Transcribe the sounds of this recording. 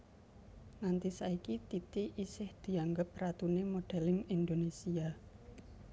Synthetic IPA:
nant̪isaikit̪it̪iʔisɪhd̪̥i̤aŋɡəp̚rat̪unemoɖ̥ɛ̤lɪŋind̪onesia

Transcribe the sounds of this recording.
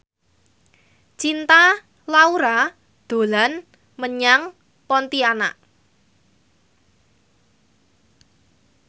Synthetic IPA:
t͡ʃint̪a | lauɾa | d̪̥o̤lan | məɲaŋ | pɔnt̪iana̰ʔ

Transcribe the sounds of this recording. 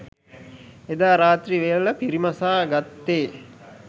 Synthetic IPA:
ed̪aːɾaːt̪riʋejələpiɾimasaːɡat̪ːeː

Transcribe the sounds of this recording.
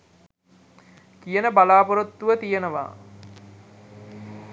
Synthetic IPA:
kijənəbalaːpoɾot̪ːuʋət̪ijənəʋa̰ː

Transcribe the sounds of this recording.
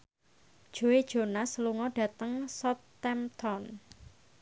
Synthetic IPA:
d̥ʒ̥o̤ed̥ʒ̥o̤nasəluŋɔɖ̥ä̤t̪əŋsɔt̪ːɛmt̪ʰɔn

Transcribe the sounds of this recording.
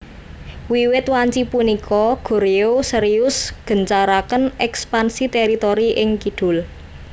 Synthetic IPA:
wiwɪt̪waɲt͡ʃipunikʰɔɡ̥o̤ɾeosəɾijʊsɡ̥ə̤nt͡ʃaɾakənɛkspansit̪ɛɾit̪oɾiʔɪŋkid̪̥ʊ̤l

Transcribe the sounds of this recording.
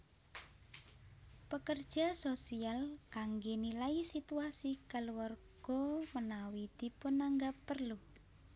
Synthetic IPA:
pəkərd̥ʒ̥a̤sosialkaŋɡenilaisit̪uasikaluwarɡ̥ɔmənawid̪̥i̤pʊnːaŋɡapːərlu

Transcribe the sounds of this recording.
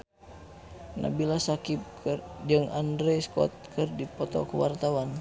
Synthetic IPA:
na̰bilasakip̚krd͡ʒɨŋʔandɾɛskɔ̰t̪̚kərdipɔt̪ɔ̰kəwa̰rt̪awan

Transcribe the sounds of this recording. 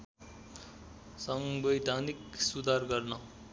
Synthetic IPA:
sʌŋbʌjd̪ʱaniksud̪ʱarɡʌrnʌ

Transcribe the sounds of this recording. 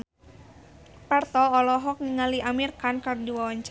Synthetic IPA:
part̪ɔːlɔɦɔk̚niŋaliʔamirkankardiwawaɲt͡ʃ

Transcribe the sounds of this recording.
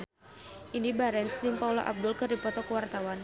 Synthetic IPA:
ʔindibaɾɛnsdimpaulɔ̰ʔa̰b̚dʊlkɨrdipɔt̪ɔkəwart̪awan

